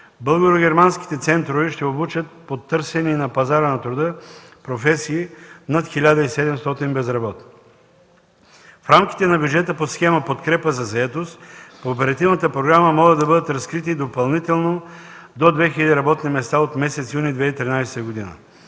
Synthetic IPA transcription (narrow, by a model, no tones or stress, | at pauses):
bəlˠɡoɾoɡʲɛɾmansk̟i̥t̪ɛt̪sɛnt̪ɾovɛʃt̪ɛobut͡ʃət̪̚pot̪ːɤɾsɛniːnɐpɐzaɾənɐt̪ɾud̪ɤpɾofɛsiːnat̪xilʲad̪əisɛd̪ɛmst̪ɔt̪inbɛzɾɐbɔt̪n | fɾamk̟i̥t̪ɛnɐbjud͡ʒɛt̪əposxɛməpot̪kɾɛpəzɐzɐɛt̪ost̪poːpɛɾɐt̪ivnət̪əpɾoɡɾaməmɔɡəd̪ɐbɤd̪ət̪ɾɐskɾit̪id̪opɐlˠnit̪ɛlˠnod̪od̪vɛxilʲɛd̪iɾɐbɔt̪nimɛst̪aot̪mɛsɛt̪sjunid̪vɛit̪ɾinajsɛ̥t̪əɡod̪inə̰